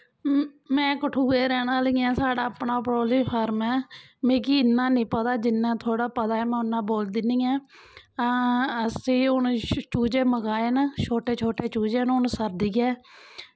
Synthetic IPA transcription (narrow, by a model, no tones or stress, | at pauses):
mɛ̃ːkəʈʰuːeːɾɛːnãːləiːãːsaːɽaːpɳaːpɾoːliːpʰəɾmɛː | mẽːkiːɪnːãːnĩːpət̪aːd͡ʒɪnːãːt̪ʰoːɽaːpəd̪aːɛːmɛ̃ːʊnːãːboːld̪ɪniːɛː | əsĩːʊnt͡ʃuːd͡ʒeːməɡaːeːnt͡ʃʰoːʈeːt͡ʃʰoːʈeːt͡ʃuːd͡ʒeːnʊɳsəɾd̪iːɛː